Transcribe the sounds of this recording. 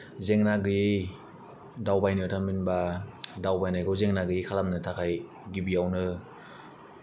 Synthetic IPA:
zeŋnaɡɯji | dawbajnɯtʰanminbadawbajnajɡɯwzeŋnaɡɯjikʰalamnɯtʰakʰaj | ɡibijawnɯ

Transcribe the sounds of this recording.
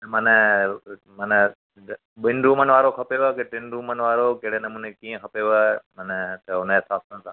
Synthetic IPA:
nmɐnə | mɐn | ɓɪnɾuːmənʋaːɾokʰɐpeʋokeʈɪnɾuːmənʋaːɾokeɽenɐmũːnekiːə̃kʰɐpeʋamɐnt̪ɐʊnəɦɪsaːsənsã

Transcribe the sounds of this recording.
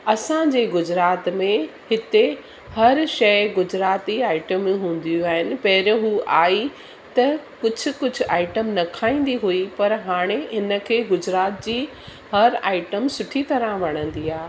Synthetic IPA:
ɐsãd͡ʑeːɡʊd͡ʑɾaːt̪mẽhɪt̪e | hɐɾʃɐɪɡʊd͡ʑɾaːt̪iaːɪʈəm̃ɦũːn̆d̪ijũaːɦɪnɪ̆pɐɦɪɾəɦuːʔaːi | t̪ɐkʊd͡ʑʱʊ̆kʊd͡ʑʱʊ̆aːɪʈəmnɐkʰaːĩːn̆d̪iɦuipɐɾɦaːɽ̃eɦɪnə̆kʰeːɡʊd͡ʑɾaːt̪̚d͡ʑiː | hɐɾaːɪʈəmsʊʈʰit̪ɐɾə̃ʋɐɽ̃ə̃n̆d̪iːaː

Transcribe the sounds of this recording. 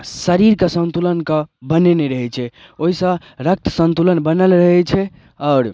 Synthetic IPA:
səɾiɾkesə̃nt̪ulənkə̃bəneneɾəɦɛt͡ʃʰɛ | oɦisə̃ | ɾək̚t̪ʰsə̃nt̪ulənbənəlɾəɦɛt͡ʃʰɛ | ɔːɾ

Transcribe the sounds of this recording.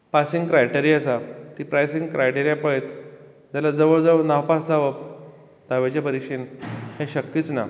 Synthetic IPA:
pasĩŋɡkɾajʈeɾiəsat̪ipɾajsiŋɡkɾʔajʈeɾjapəet̪ | d͡ʑalad͡zəʋəɭd͡zəʋnawpasd͡zaʋəp | d̪̥aʋet͡ɕapəɾiɕiːnhẽɕəkːiːt͡sna̰

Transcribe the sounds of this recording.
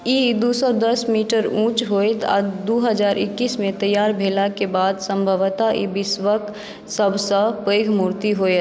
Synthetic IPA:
id̪uːsɔd̪əsmiʈəɾũːt͡ʃɦojt̪a̰d̪uɦəd͡ʒaːɾʔɪ̰kːiːsmẽt̪əjːaːɾbʱelakebaːd̪sə̃mbʱəʋt̪aʔḭbɪsʋək | səbʱsə̃pəjɡʱmuːɾt̪iɦoet̪

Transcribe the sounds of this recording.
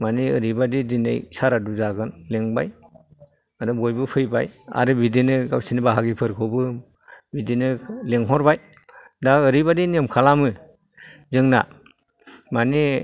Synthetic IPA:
maniɯɾibadidinḛjsaɾaduzaɡɯnleŋbaj | adɔbɔjbɯpʰɯjbaja̰ɾɯbidinɯɡawsinibaɦaɡipʰɯɾkʰɔbɯ | bidinɯleŋɦɔɾbaj | daɯɾibadinemkʰalamɯ | zɯŋna̰ | mani

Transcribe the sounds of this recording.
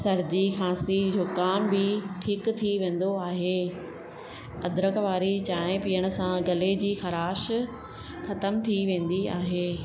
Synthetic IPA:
sɐɾd̪ixaːsid͡ʑʱʊkaːmbɪʈʰiːkt̪ʰiʋẽːn̆d̪oaːɦeː | ɐd̪ɾəkʋaːɾit͡ɕaːɦɪ̃pijəɽ̃ʊ̆sãɡɐled͡ʑiːxɐɾaːʃ | xɐt̪əmt̪ʰiʋẽːn̆d̪iaːɦeː

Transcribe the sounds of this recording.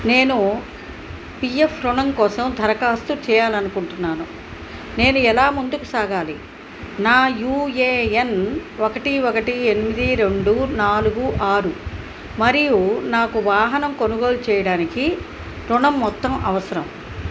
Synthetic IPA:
ne̞ːnu | pijepʰɾuɳɐŋkɔːsɐmd̪ʱɐɾɐkaːst̪ut͡ʃɛːjaːlɐnukuɳʈunːaːnu | ne̞ːnuɛlaːmund̪ukusaːɡaːli | naːjuːeːenokɐʈiokɐʈienimid̪iɾe̞ɳɖunaːluɡuʔaːɾu | mɐɾijunaːkuʋaːɦɐnɐmkonuɡo̞ːlut͡ʃɛːjɐɽaːniki | ɾuɳɐmːɔt̪ːɐmʔɐʋɐsɐɾɐm

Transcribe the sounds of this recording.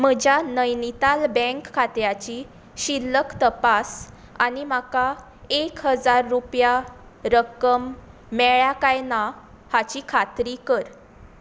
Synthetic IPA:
m̤əd͡ʑjanəjnit̪albɛ̃ŋkʰːat̪jat͡ɕi | ɕilːəkt̪əpas | a̰nim̤aka | ekɦəd͡zaɾːupjaɾəkəmː | ɛɭjakajna | hat͡ɕikʰat̪ɾikəɾ

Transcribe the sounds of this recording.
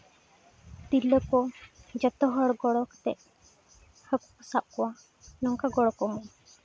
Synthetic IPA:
t̪iləkɔd͡ʒət̪ɔɦəɽɡɔɽɔkt̪ɛʔ | hək | sap̚kɔwa | nɔŋkaɡɔɽɔkɔmɔ

